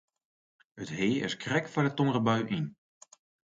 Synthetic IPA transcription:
ətɦeːɪ̰skrɛkfanətːɔmrəbœɥʔin

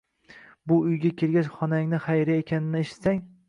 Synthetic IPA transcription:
bʊʊjɡʲakʲʰeɾɡʲat͡ʃχɒnaŋnɪχajɾaekʲʰanɪnɪeʃɪ̥t̪saŋ

